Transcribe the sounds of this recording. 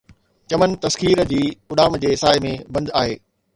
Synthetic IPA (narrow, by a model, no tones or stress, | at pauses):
t͡ɕɐmən̆t̪ɐskiːɾd͡ʑiːʊɗaːmd͡ʑeːsaːɪmẽbɐ̃nd̪aːɦeː